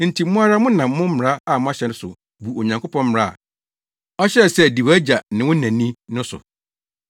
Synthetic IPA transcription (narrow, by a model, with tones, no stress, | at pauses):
n̩˨tʰi˨˦mʊ̃˦a˦ɾa˦mʊ̃˦nã˨mː˦ʊ̃˦m̩˦m˨ɾa˦a˦˨mʊ̃˦a˦ɕɛ˨n˦sʊ̰˨ | bu˨o˨ɲã˨ŋkʰo˦pʰɔ̃˦m̩˦m̃˨ɾa˦˨a̰˨ | ɔ˦ɕɛ˦˨sɛ˦˨di˨wæ˦d͡ʑa˨nɪ̃˨wʊ̃˦nã˨nĩ˦nʊ̃˦sʊ̰˨